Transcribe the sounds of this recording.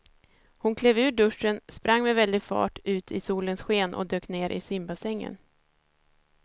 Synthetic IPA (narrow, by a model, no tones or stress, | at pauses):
hʊnkʰleːvʉ̟ːɖɵʂənspɾʔaŋːmɛvɛld̪ɪɡfɑ̰ːʈʰʉ̟ːt̪ʰɪsuːlənsɧeːnʔɔ̰d̪øːkneːɾʔɪ̰sɪmbasɛŋːə̰n